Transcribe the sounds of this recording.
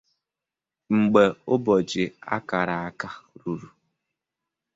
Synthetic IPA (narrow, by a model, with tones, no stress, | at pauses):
ŋ͡m̩˨ɡ͡be˨ʊ˦bɔ˨d͡ʒɪ˨a̰˦ka˨ɾa˨a˦ka˦˨ɾu˨ɾu˨